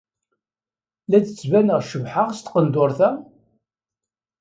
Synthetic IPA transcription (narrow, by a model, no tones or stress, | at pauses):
læt͡sət͡sːvænəʁʃəvħaʁst̪qənd̪ʊɾθæ